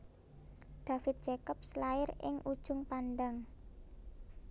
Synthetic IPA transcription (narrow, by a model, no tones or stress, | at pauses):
d̪̥a̤fɪt̪̚d͡ʒekəp̚slaɪɾɪ̰ŋʔud̥ʒ̥ʊŋpanɖaŋ